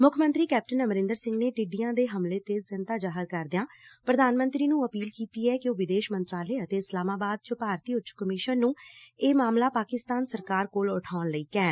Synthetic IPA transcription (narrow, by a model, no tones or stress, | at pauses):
mʊkʰmə̃nt̪ɾiːkɛːp̚ʈənəməɾɪ̃nd̪əɾsɪ̃ŋɡneːʈɪɖiːjãːd̪eːɦəmleːt̪eːzɪnt̪aːd͡ʒaːɦəɾkəɾd̪ɪjãːpɾəd̪aːnmə̃nt̪ɾiːnũːəpiːlkiːt̪iːɛːkɪoːʋɪd̪eːʃmənt̪ɾaːləeːət̪eːɪslaːmaːbaːd̪̚t͡ʃəpaːɾt̪iːʊtːt͡ʃʰkəmɪʃənːũːeːmaːmlaːpaːkɪst̪aːnsəɾkaːɾkoːlʊʈʰaːnləiːkɛ̃ːn